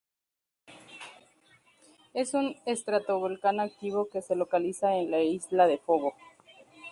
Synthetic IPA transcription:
e̞sunest̪ɾat̪o̞βo̞lkanak̚t̪iβ̞o̞ke̞se̞lo̞kalisaenlaizlaðe̞fo̞βo̞

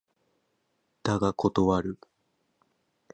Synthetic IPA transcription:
t̪aɡakʰo̞t̪o̞βaɾɯ̟

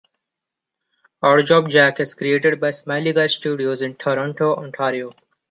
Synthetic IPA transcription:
aʊəɾd͡ʒɔːb̚d͡ʒækɪzkɾieːʈeɖ̚baɪsmaɪliɡasʈjuːɖioːzɪ̃nʈʰoɾɔ̃ɳʈoːɔ̰̃ɳʈʰaːɾioː

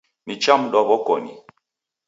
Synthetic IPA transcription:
nit͡ʃamɗɔbɔkɔnḭ

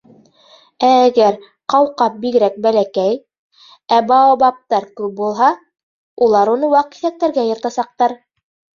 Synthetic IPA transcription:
æːɡæɾ | qɑwqɑp̚bikɾæk̚bælækæj | æbɑɑbɑp̚t̪ɑɾkʉp̚bulˠɦɑ | ulˠɑɾunɤwɑqi̥θæk̚t̪ːæɾɡæjɤ̆ɾt̪ɑsɑq̚t̪ɑɾ

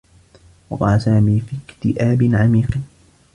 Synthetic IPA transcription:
wɑqɑ̰ːlasaːmiːfiːkt̪ɪʔaːbɪnʕamiːq

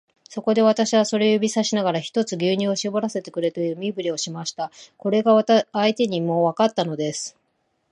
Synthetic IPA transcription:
so̞ko̞d̪e̞β̞at̪aɕiβaso̞ɾe̞ojobʲisaɕinaɡaɾaçi̥t̪o̞t͡sɨɡʲɨːɲ̟ɨ̃o̞ɕibo̞ɾase̞t̪e̞kɯ̟ɾe̞t̪ejɯmʲibɯ̟ɾʲio̞ɕimaɕi̥t̪ako̞ɾe̞ɡaait̪e̞ɲ̟imo̞βakat̪ːano̞d̪e̞sɨ̥

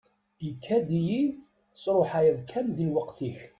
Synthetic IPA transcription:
jəkʰːæd̪iji | sɾˤoħajæðkʰæmðiwəqθiç

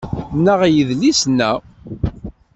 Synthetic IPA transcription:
nːəʁjəðlisnːæ

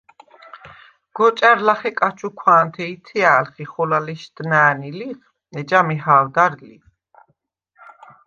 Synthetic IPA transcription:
ɡ̥ɔt͡ʃʼaɾlaχɛkʼat͡ʃʰukʰwaːnt̪ʰɛit̪ʰiaːlχiχɔlalɛʃd̪̥naːniliχ | ɛd͡ʒamiɦaːwd̪aɾli

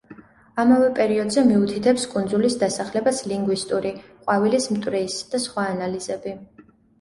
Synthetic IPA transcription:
amavɛpʼɛɾiɔd̪zɛmiut̪ʰit̪ʰɛpskʼund̪zulisd̪asaχlɛbasliŋɡwist̪ʼuɾiqʼwavilismt̪ʼwɾɛisd̪̥asχwaːnaliz̥ɛbi

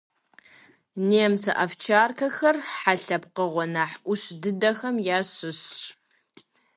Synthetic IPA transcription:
neːmsɐʔɐft͡ʃʰaːrkʰɐxɐrħaɬɐpqəʁʷɔnaːħʔʷʊɕdɨdɐxɐmjaːɕɪɕ

